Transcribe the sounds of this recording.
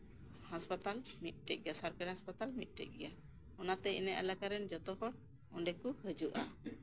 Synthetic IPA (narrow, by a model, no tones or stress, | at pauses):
haspat̪almit̪̚ˀʈɛʔ̚ɡɛjasaɾkaɾiɦaspat̪almit̪̚ˀʈɛ̰ʔ̚ɡɛja | ɔnat̪ɛḭnɛʔa̰lakaɾɛnd͡ʒɔt̪ɔhɔɽ | ɔɳɖɛkuhəd͡ʒuʔa